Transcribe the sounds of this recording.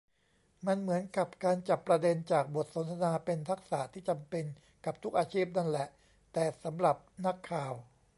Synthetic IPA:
ma˧nmɯ˩˦ənka˨˩p̚kaː˧nt͡ɕa˨˩pːɾa˧de˧nt͡ɕaː˨˩k̚bo˨˩t̪̚so˩˦nt̪ʰa˧naː˧pe˧nt̪ʰa˦˥k̚sa̰˩˦t̪ʰiː˥˩t͡ɕa˧mpe˧n | ka˨˩p̚t̪ʰu˦˥k̚ʔaː˧t͡ɕʰiː˥˩p̚na˥˩nlɛ˨˩ʔ | t̪ɛː˨˩sa˩˦mɾa˨˩p̚na˦˥kʰːaː˨˩w

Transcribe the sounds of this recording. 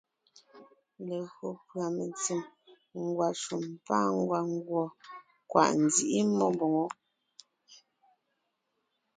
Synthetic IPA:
le˨ɣo˨pɰa˨me˨nt͡si˨m | ŋ̩˦˨ɡwa˨ʃu˨mpaː˦ŋ˦ɡwa˨ŋ̩˦ɡwɔ˨ | kwʔa̰˨ʔn̩˨d͡zi˦ʔi˦mɔ˦mbɔ˨ŋɔ˨˦

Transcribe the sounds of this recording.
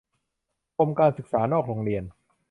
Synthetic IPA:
pʰo˧mkaː˧nsɯ˨˩k̚saː˩˦nɔː˥˩k̚ɾoː˧ŋɾi˧ən

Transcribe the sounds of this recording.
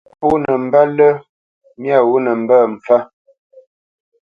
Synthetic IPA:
pu˦nə˨m̩˦ba˦lə˦ | mja˦˨wu˦nə˨m̩˨bə˦˨m̩˨fa˦

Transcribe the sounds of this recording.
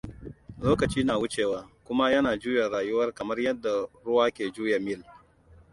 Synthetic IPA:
loː˦kɐ˨t͡ʃiː˦naː˨wʊ˦t͡ʃeː˨waː˨kʷʊ˦ma˦jɐ˦naː˨d͡ʒuː˦ja˨ɽaː˨jʊ˦wɐ˦rkɐ˨mɐ˦rjɐ˦dːa˨ɽʊ˦waː˦kʲeː˨d͡ʒuː˦ja˨mɪ˦˨l

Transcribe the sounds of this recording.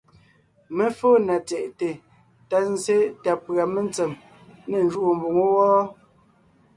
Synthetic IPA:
me˦foː˦˨na˨t͡sɛ˨ʔte˨ | ta˨n̩˦ze˦ta˨pɰa˨me˦˨nt͡se˨m | ne˨n˨d͡ʒu˦˨o˨m˨bu˨ŋo˦wɔː˦

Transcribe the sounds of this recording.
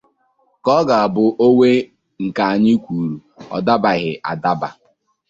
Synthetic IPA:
kɔ˦ɡa˨a˨bʊ˨ʔo˦we˦ | ŋ̩˨ka˨a˨ɲɪ˦kʷu˨ɾu˨ɔ̰˨da˦ba˨ɣɪ˨ʔa˨da˦ba̰˨

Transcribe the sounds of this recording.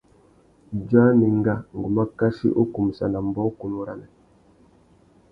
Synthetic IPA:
d͡ʒa˦ni˨ŋ˦ɡa˦ŋ˨ɡu˨ma˦ka˦ʃḭ˦ʔo˦ku˨m˨sa˨na˨m˦bɔ˦ku˨nu˦ɾa˦nɛ˨

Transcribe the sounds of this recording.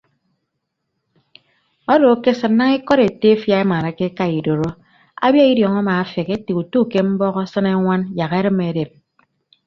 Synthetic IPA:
ɔ˦do˨˦ke˦sɨ˨nːa˦ŋi˦kɔ˦ɾe˨te˦fja˦e˦ma˨ɾa˨ke˦ka˦i˨do˨ɾo˦ | a̰˦bja˦i˦djɔ˨ŋa˦maː˨a˦fe˨ke˦ti˨ku˨tu˦˨ke˦m̩˦bɔ˦ɣɔ˦sɨ˦ne˦ŋʷa˦nja˨ɣe˦ɾɨ˦me˨˦de˨p̚

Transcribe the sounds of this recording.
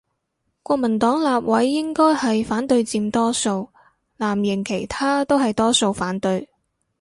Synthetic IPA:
kʷɔː˧k̚mɐ˨˩nt̪ɔː˨˥ŋlaː˨p̚wɐ˨˥jːɪ˥ŋkɔː˥jhɐ˨jfaː˨˥nt̪ɵ˧ɥt͡siː˧mt̪ɔː˥so˧w | laː˨˩mjɪ˨˩ŋkʰe˨˩jt̪ʰaː˥t̪o˥wɦɐ˨jt̪ɔː˥so˧wfaː˨˥nt̪ɵ˧ɥ

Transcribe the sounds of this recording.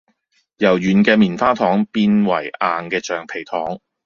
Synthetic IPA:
jɐ˨˩wjyː˨˩nkɛː˧miː˨˩nfaː˥t̪ʰɔː˨˥ŋpiː˧nwɐ˨˩jaː˨nkɛː˧t͡ʃœː˨˩ŋpʰe˨˩jt̪ʰɔː˨˥ŋ

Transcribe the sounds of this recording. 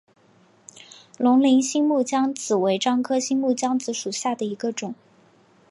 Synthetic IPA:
lʊ˧˥ŋli˧˥nɕi˥ŋmu˥˩t͡ɕjɑ˥ŋt͡sʰɹ̩˨˩we˧˥ɪʈ͡ʂɑ˥ŋkʰɤ˥ɕi˥nmu˥˩t͡ɕjɑ˥ŋt͡sɹ̩˧˥ʂu˨˩ɕja˥˩d̪ə˩i˧˥ɡə˧ʈ͡ʂʊ˨˩˦ŋ

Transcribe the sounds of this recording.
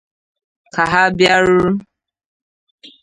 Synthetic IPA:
kʰa˨ɦa˦bja˦ɾʊ˦ɾ

